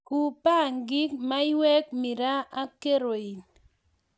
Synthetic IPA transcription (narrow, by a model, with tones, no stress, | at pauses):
ku˨pa˦˨ŋɡi˦kma˦i˦wɛ˦k̚mi˨ɾa˦a˦ke˦ɾo˨i˨n